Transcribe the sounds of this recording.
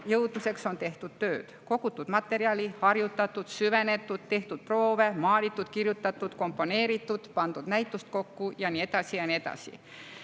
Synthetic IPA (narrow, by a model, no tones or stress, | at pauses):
jɤwd̪̥mise̞kso̞nt̪e̞ht̪ud̪̥t̪ø̞ːd̪̥ko̞kut̪ːˑud̪mɑt̪ːˑe̞ɾiɑlihɑrjut̪ːˑɑt̪ːˑud̪̥syve̞ne̞t̪ːˑud̪̥t̪e̞ht̪ut̪̚pro̞ːvemɑːlit̪ːˑud̪̥kirjut̪ːˑɑt̪ːˑut̪ko̞mpːˑo̞ne̞ːɾit̪ːud̪̥pɑnd̪̥ud̪̥næjt̪ːˑust̪̚ko̞kːujɑnie̞d̪̥ɑsijɑniet̪ɑ̰sḭ